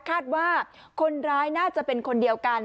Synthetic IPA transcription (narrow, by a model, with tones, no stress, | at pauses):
kʰaː˥˩t̪̚waː˥˩ | kʰo˧nɾaː˦˥jnaː˥˩t͡ɕa˨˩ʔpe˧nkʰo˧ndi˧əwka˧n